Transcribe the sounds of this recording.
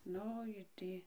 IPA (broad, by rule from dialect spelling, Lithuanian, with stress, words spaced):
ˈnʊ ɪ ˈtʲiː